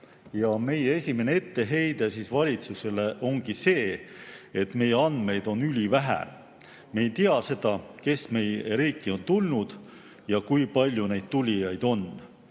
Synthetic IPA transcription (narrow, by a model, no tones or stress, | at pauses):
jɑme̞jee̞sʲime̞nee̞t̪ːe̞ɦe̞jd̪̥esiːsvɑlʲit̪suse̞le̞ʔo̞ŋɡ̥ise̞ː | et̪ːˑme̞jeɑnd̪̥me̞jd̪̥o̞nylʲivæɦæ̰ | mejt̪iɑse̞d̪̥ɑke̞sme̞jeɾiːkːˑio̞nt̪ulnud̪̥ | jɑkujpɑlʲjune̞jd̪̥̚t̪ulʲijɑjd̪̥o̞n